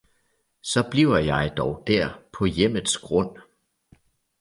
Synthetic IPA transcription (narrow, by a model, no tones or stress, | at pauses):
sɒ̽b̥liʊɐjɑ̈ɪd̥ɒʊd̥æɐ̰pʰɒ̽jem̰əðˠsɡ̥ʁɔ̽n̰